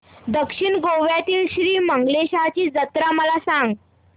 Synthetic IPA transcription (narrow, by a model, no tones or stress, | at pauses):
d̪əkʂiɳɡoʋjat̪iːlɕɾiːməŋɡleɕat͡ɕiːd͡zət̪ɾaməlasaŋɡ